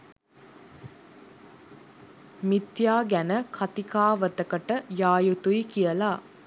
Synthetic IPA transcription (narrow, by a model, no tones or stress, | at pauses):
mit̪jaːɡænəkʰat̪ikaːʋət̪əkəʈəjaːjut̪ujikijəla